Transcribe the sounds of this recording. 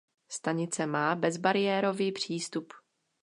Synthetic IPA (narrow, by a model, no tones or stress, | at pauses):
st̪aɲɪt͡sɛmaːbɛzbaɾɪjɛːɾo̞viːpr̝̥iːst̪up